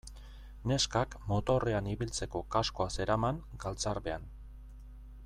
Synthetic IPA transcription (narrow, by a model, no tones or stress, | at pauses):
ne̞skakmo̞t̪o̞re̞aniβilt͡se̞ko̞kasko̞ase̞ɾamaŋɡalt͡saɾβe̞an